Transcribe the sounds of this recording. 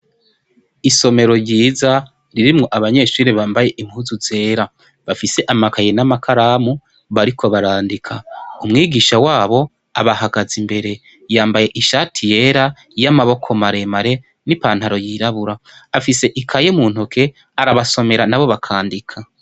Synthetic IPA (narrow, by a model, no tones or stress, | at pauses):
iso̞me̞ɾo̞ɾjɟiːza | ɾiɾimŋo̞ʔaβaɲe̞ːʃuːɾiβaːmbaje̞ʔimhuzuze̞ːɾa | βafise̞ʔamakajenamakʰaɾaːmu | βaɾikʰo̞βaɾaːndikʰaumŋiːɡiːʃawaːβo̞ | aβahaɡazimbe̞ɾe̞ | jaːmbaje̞ʔiʃaːtʰije̞ɾa | jamaβo̞kʰo̞maɾe̞maɾe̞ | nipaːnhaɾo̞jiːɾaβuɾaːfise̞ʔikʰajemuːn̥okʰe̞ | aɾaβaso̞me̞ɾanaβo̞βakʰaːndikʰa